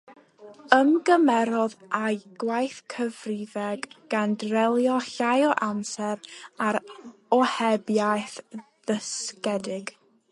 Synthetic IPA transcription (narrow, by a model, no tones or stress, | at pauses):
əmɡəmɛɾɔðʔajɡ̥wajθkʰəvrɪvɛɡɡ̥andrɛlˠjɔɬajɔʔamsɛɾaɾɔhɛbjajθ | ð̥əskɛdɪɡ